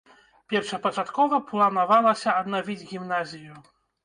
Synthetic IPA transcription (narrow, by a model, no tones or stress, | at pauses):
pʲɛrʂɐpɐt͡ʂat̪kɔvɐplˠɐnavalˠɐsʲɐːd̪navʲid͡zʲɣʲimnazʲiju